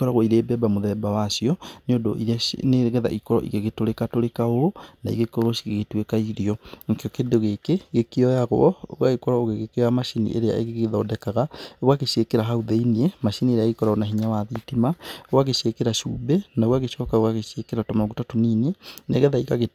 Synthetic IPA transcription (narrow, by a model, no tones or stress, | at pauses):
kɔɾaɣoiɾeːbɛbamoðɛbawasiɔneondo̰ʔḭɾaneɣɛða̰ʔikɔɾɔ̰ʔḭɣeɣetoɾekatoɾekaoonaiɣekoɾoʃiɣeɣetwekaiɾiɔŋkeɔkendoɣekeɣekeɔjaɣoɔo̰ɣwaɣekɔɾɔoɣeɣekeamaʃinḭʔḛɾea̰eɣeɣeðɔːdɛkaɣaɣwaɣeɕekeɾaɦauðeiniemaʃinieɾeaɣikɔɾaonaɦiɲawaðitimaowaɣeʃekeɾaʃṵːbɛnaoɣwaɣeʃɔːkaowaɣeɕekeɾatɔmaɣutatoniːneneɣɛðaiɣaɣe